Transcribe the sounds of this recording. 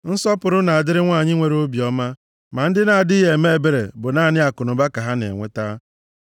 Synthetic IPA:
n̩˦sɔ˦pʊ˨ɾʊ˦na˨a˨dɪ˦ɾɪ˦ŋʷa˦˨ɲɪ˦ŋʷe˨ɾo˦bjɔ˦ma˦ | ma˨n̩˦dɪ˦na˨a˨dɪ˦ɦe˨me˦e˨be˨ɾḛ˨bʊ˨naː˦˨nɪ˦a˨kʊ˨nʊ˨ba˦ka˨ɦa˦nḛ˨ŋʷe˦ta˦

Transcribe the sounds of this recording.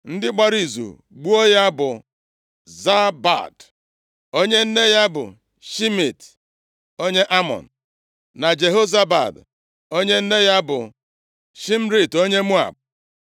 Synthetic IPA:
n̩˦dɪ˦k͡pa˦ɾi˨zṵ˨ | ɡ͡bu˦o˦ja˦bʊ˨ | za˦ba̰˨d | o˦ɲe˦n̩˦ne˦ja˦bʊ̰˨ | ʃi˦mi˨t | o˦ɲe˦ʔa˦mɔ̰˨n̩˨ | na˨d͡ʒe˨ɦo˦za˦ba̰˨d | o˦ɲe˦n̩˦ne˦ja˦bʊ̰˨ | ʃi˦m̩˦ɾi˨to˦ɲe˦mu˦a̰˨b̚

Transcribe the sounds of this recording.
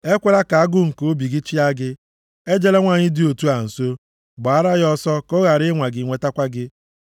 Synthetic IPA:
e˦kʷe˦ɾa˦ka˨a˦ɡʊ˦ŋ̩˨ko˦bi˨ɡɪ˦t͡ʃi˦a˦ɡɪ˦ | e˦d͡ʒe˦le˦ŋʷa˨ɲɪ˦dɪ˦o˨tu˦a˨n̩˨so˦ | ɡ͡ba˨a˦ɾa˦ɣɔ˦sɔ˦ko˦ɣa˨ɾɪ˦ŋʷa˨ɡɪ˨ŋʷe˨ta˦kʷa˦ɡɪ˦

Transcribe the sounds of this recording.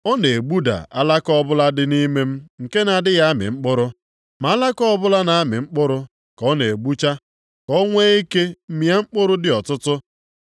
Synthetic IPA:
ɔ˦ne˨ɡ͡bu˦da̰˨a˦la˦kɔ˦bʊ˦la˦dɪ˦ni˦me˦m̩˦ŋ̩˨ke˦na˨dɪ˦ja˦a˦mɪ̰˨ŋ͡m̩˦k͡pʊ˦ɾʊ˦ | ma˨a˦la˦kɔ˦bʊ˦la˦na˨a˦mɪ̰˨ŋ͡m̩˦k͡pʊ˦ɾʊ˦ | kɔ˦ne˨ɡ͡bu˦t͡ʃa˦ | kɔ˦ŋʷe˦i˦ke˦m̩˦mi˨˦a˦ŋ͡m̩˦k͡pʊ˦ɾʊ˦dɪ˨ɔ˨tʊ˦tʊ˦

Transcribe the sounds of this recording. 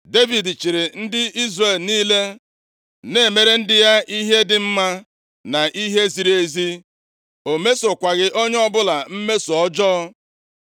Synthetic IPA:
de˦vi˨dt͡ʃi˨ɾɪ˨n̩˦dɪ˦i˦zre˨lniː˦le˦ | ne˦˨me˦ɾe˦n̩˦dɪ˦ja˦i˦ɦe˦dɪ˨m̩˦ma˦ | na˨ʔi˦ɦe˦zi˨ɾe˨zi˦ | o˨me˦sʊ˨kʷa˨ɣɪ˦ʔo˦ɲ˦ɔ˦bʊ˦la˨m̩˦me˦so˨ɔ˦d͡ʒɔː˦

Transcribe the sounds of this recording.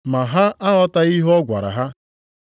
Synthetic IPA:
ma˨ɦa˦a˦ɦɔ˦ta˦i˦ɦɔ˦ɡʷa̰˨ɾa̰˨ɦa˦

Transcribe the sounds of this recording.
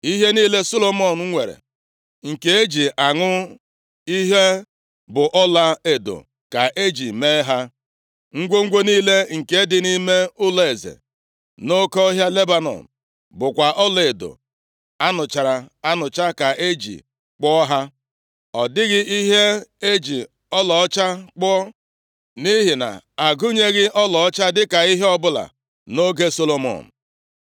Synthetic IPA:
i˦ɦe˦niː˦le˦so˦lo˨mɔ˨n̩˨˦ŋʷe˨ɾḛ˨ | ŋ̩˨ke˨e˦d͡ʒi˨ʔa˨ŋʊ˦ | i˦ɦe˦ | bʊ˨ʔɔ˦la˦e˨do̰˨ | ka˨ʔe˦d͡ʒi˨me˦ɦa˦ | ŋ̩˦ɡʷo˦ŋ̩˦ɡʷe˦niː˦le˦ŋ̩˨ke˨˦dɪ˨ni˦me˦ʊ˦la˨e˨zḛ˨ | no˦kɔ˦ɦja˦le˦ba˦nɔ̰˨m | bʊ˨kʷa˨ʔɔ˦le˨e˨do̰˨ | a˦nʊ˨t͡ʃa˨ɾa˨a˦nʊ˨t͡ʃa˦ka˨ʔe˦d͡ʒḭ˨ | k͡pɔ˦ɦa˦ | ɔ˨dɪ˦ɣɪ˦ʔi˦ɦe˦e˦d͡ʒi˨ | ɔ˦lɔ˨ɔ˦t͡ʃa˦k͡pɔ˦ | ni˦ɦɪ˨na̰˨ | a˨ɡʊ˦ɲe˦ɣɪ˦ʔɔ˦lɔ˨ɔ˦t͡ʃa˦dɪ˦ka˨i˦ɦe˦ɔ˦bʊ˦la̰˨ | no˦ɡe˦so˦lo˦mɔ̰˨n̩˨

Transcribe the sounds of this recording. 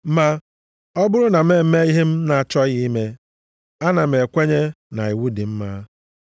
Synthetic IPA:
ma˦ | ɔ˦bʊ˦ɾʊ˦na˨m̩˦e˦˨m̩˦me˦i˦ɦe˦m̩˦na˨t͡ʃɔ˦ɣɪ˦i˦me˦ | a˦na˨m̩˨e˨kʷe˦ɲe˦ | na˨i˨wu˦di˨m̩˦ma˦

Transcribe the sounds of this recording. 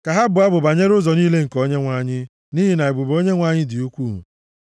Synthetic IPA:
ka˨ɦa˦bʊ˨a˦bʊ˨ba˨ɲe˦ɾʊ˦zɔ˨niː˦le˦ŋ̩˨ko˦ɲe˦ŋʷa˦ɲɪ˦ | ni˦ɦi˨na˨e˨bʊ˨bo˦ɲe˦ŋʷa˦ɲɪ˦dɪ˨u˦kʷu˦˨mu˨

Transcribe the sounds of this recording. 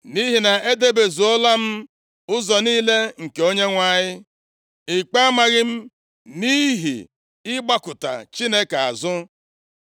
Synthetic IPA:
ni˦ɦi˨na˨e˦de˦be˨zu˨ɔ˦la˦m̩˦ | ʊ˦zɔ˨niː˦le˦ŋ̩˨ke˨o˦ɲe˦ŋʷa˨ɲɪ˦ | ɪ˨k͡pa˦a˦ma˨ɣɪ˦m̩˦ | ni˦ɦḭ˨ | ɪ˦ɡ͡ba˦kʊ˨ta̰˨t͡ʃi˦ne˦ka˨a̰˨zʊ˦

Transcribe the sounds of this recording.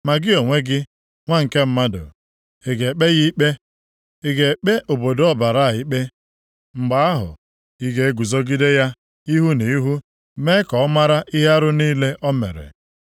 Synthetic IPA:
ma˨ɡɪ˦o˨ŋʷe˦ɡɪ˦ | ŋʷa˦ŋ̩˨ke˦m̩˦ma˦dʊ̰˨ | e˨ɡe˨k͡pe˦ɣi˦k͡pe˦ | ɪ˦ɡe˨k͡pe˦ʔo˨bo˨do˨ɔ˦ba˨ɾa˦˨i˦k͡pe˦ | ŋ͡m̩˨ɡ͡ba˨˦a˦ɦʊ̰˨ | i˦ɡe˦e˦ɡu˨zo˦ɡɪ˦de˦ja˦ | i˦ɦu˦ne˨i˦ɦu˦ | me˦kɔ˨ɔ˦ma˦ɾa˦ʔi˦ɦe˦a˦ɾʊ˦niː˦le˦ʔɔ˦mḛ˨ɾḛ˨

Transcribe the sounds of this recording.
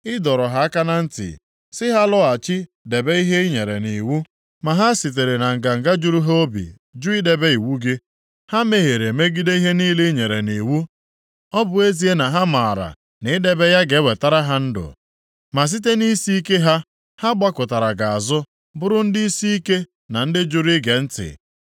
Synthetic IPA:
ɪ˦dɔ˨ɾɔ˨ɦa˦a˦ka˦na˦n̩˦tɪ̰˨ | sɪ˦ɦa˦lɔ˦a˨t͡ʃɪ˦ | de˨be˦i˦ɦe˦i˦ɲe˨ɾḛ˨ni˨wu˦ | ma˨ɦa˦si˨t̬e˨ɾe˨na˨ŋ̩˨ɡa˨ŋ̩˨ɡa˦d͡ʒu˦ɾu˦ɦe˦o˦bḭ˨ | d͡ʒu˦i˦de˨be˦i˨wu˦ɡɪ˦ | ha˦me˦ɦe˨ɾe˨me˦ɡi˦de˦i˦ɦe˦niː˦li˦ɲe˨ɾe˨ni˨wu˦ | ɔ˦bʊ˨e˦zi˦e˦na˨ɦa˦ma˨a˨ɾa̰˨ | nɪ˨˦de˦be˦ja˦ɡe˨˦we˨ta˦ɾa˦ɦa˦n̩˦dʊ̰˨ | ma˨s̬i˦t̬e˦ni˦si˦i˦ke˦ɦa˦ | ha˦ɡ͡ba˦kʊ˨ta˨ɾa˨ɡa˨a˨zʊ˦ | bʊ˦ɾʊ˦n̩˦dɪ˦i˦si˦i˦ke˦ | na˨n̩˦dɪ˦d͡ʒʊ˨ɾi˦ɡe˨n̩˦tɪ̰˨

